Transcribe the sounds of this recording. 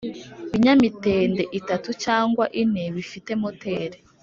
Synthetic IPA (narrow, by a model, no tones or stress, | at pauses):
iɲamite̞ːndeʔitatut͡ʃaːŋɡwaʔineβifite̞mote̞ːɾe